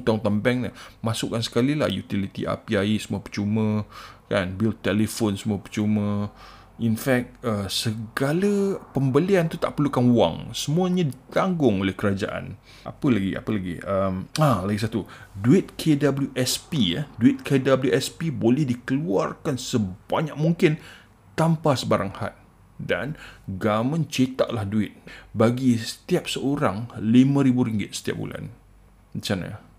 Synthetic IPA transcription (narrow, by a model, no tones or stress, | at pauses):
t̪ant̪ambɛŋnamasʊkːansə̥kalila̰hjut̪ilit̪ḭʔa̰piaisəmuapət͡ʃumə̃kanbilt̪ːelefonsəmũapət͡ʃumə̃ | infɛk̚t̪̚əsəɡaləpəmbəliant̪ut̪aʔpərlukanwa̰ŋsəmũaɲãdit̪aŋɡʊŋolɛhkəɾad͡ʒa̰ʔa̰n | ʔa̰pəlaɡḭa̰pəlaɡḭəmalaɡis̬at̪uduɪt̪̚kʰedabəljuʔɛspiaduɪt̪̚kʰedabəljuʔɛspibolɛhdikəluarkansəbaɲak̚muŋkɪn | t̪ampasəbaɾaŋha̰t̪̚ | da̰nɡamə̃nt͡ʃet̪a̰ʔlahduɪt̪̚baɡisə̥t̪iap̚səʔoɾaŋlimãɾibuɾiŋɡɪt̪̚sə̥t̪ija̰p̚bṵla̰n | mit͡ʃana̰